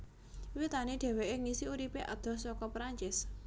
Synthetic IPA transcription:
wit̪aniɖ̪̥e̤weʔeŋisiuɾipeʔa̰d̪̥ɔ̤sɔkɔpɾaɲt͡ʃɪs

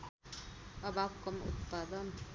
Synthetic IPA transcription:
ʌbʱab̚kʌmṵt̪̚pad̪ʌn

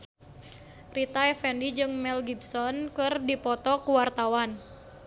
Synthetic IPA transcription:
rit̪aɛfɛndid͡ʒɨŋmɛlɡibsɔnkɨrdipɔt̪ɔkuwart̪awan

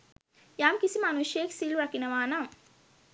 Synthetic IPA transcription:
jaːmkisimɐnuʃeːksiːluɾɐkinɐʋaːnam

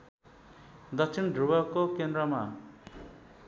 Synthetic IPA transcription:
d̪ʌksʰinɖʱɾubakokend̪ɾʌma

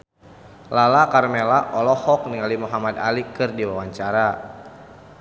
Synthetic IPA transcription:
lalakarmelaʔɔlɔhɔk̚niŋalimuɦamada̰likɨrdiwawaɲt͡ʃaɾa

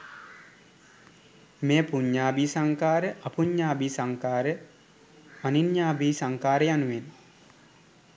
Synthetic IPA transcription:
meːpuɲːaːbisaŋkaːɾəʔɐpuɲːaːbiːsaŋkaːɾə | maninjaːbiːsaŋkaːɾəjanuʋen

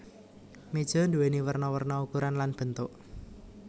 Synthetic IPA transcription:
med̥ʒ̥ɔ̤nd̪uweniwərnɔwərnɔukuɾanlanb̥ə̤nt̪ʊʔ

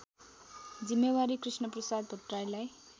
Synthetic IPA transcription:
d͡zimːewaɾikrisnʌprʌsad̪bʱoʈrajlaj

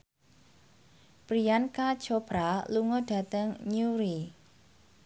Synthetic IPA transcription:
pɾijankḁt͡ʃob̥ɾaluŋɔɖ̥a̤t̪əŋɲuɾi

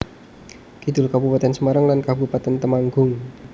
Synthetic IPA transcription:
kid̪ʊ̤lkabupat̪ɛnsəmaɾaŋlankabupat̪ɛnt̪əmaŋɡʊŋ

